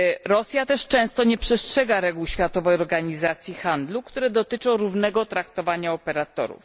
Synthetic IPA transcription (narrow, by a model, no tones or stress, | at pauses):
ɾɔsʲjat̪ɛʂt͡ʂɛ̃w̃st̪ɔɲɛpʂɛstʂɛɡaɾɛɡuwɕfʲjat̪ɔvɛjɔɾɡaɲizat̪sʲjixand̪lukt̪uɾɛd̪ɔt̪ɘt͡ʂɔ̃w̃ɾuvnɛɡɔt̪ɾakt̪ɔvaɲaɔpɛɾat̪ɔ̰ɾṵf